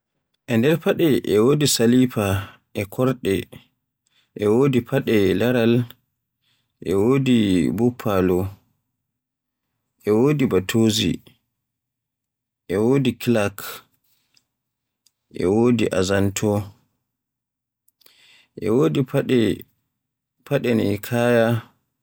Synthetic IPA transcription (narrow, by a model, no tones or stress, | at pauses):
ʔɛndɛɾpaɗɛʔɛwoːdisalipa | ʔɛkʰɔɾɗɛ | ʔɛwoːdipʰaɗɛlaɾal | ʔɛ̰woːdibupʰːalɔ | ʔɛwoːdibatʰoːzḭ | ʔɛwoːdiklak | ʔɛ̰woːdiʔazantʰɔ | ʔɛwodiɛ | pʰaɗɛnikʰaːja